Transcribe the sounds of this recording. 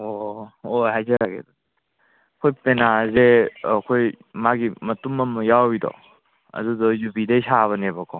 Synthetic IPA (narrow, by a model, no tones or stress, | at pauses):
ooɦajzaɾaɡḛdɔ | kʰɔjpenazekʰoj | maɡimɐtumːɐmɔjawidɔ̰ | ɐ̰dudɔjubidejsaβɐnebakʰɔ